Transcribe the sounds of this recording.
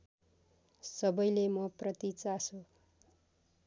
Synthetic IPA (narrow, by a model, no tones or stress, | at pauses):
sʌbʌjlemʌprʌt̪it͡sasu